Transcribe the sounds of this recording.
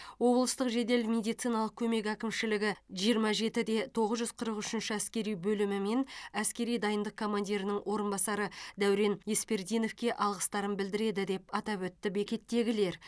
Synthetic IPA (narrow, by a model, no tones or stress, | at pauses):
wo̞blˠəst̪əqʒe̞d̪e̞lmʲe̞d̪ijt̪sijnɑlˠəq̚kʲʰɵme̞k̬ækʲɪmʃɪlɪɡʲɪʒijəɾmɑʒe̞t̪ɪd̪e̞t̪ʰo̞ʁəzʒʏzqʰəɾəqʏʃɪnʃɪæskʲe̞ɾijbɵlɪmɪme̞næskʲe̞ɾijd̪ɑjənd̪əqkʰo̞mand̪ʲiɾɪnɪŋwʔo̞ɾənbɑsɑɾəd̪æwɾe̞nje̞spe̞ɾd̪ijno̞fkʲe̞ʔɑlˠʁəst̪ɑɾənbɪld̪ɪɾe̞d̪ɪd̪e̞pɑt̪ɑpwɵt̪ːɪbe̞kʲe̞t̪ːe̞ɡʲɪle̞ɾ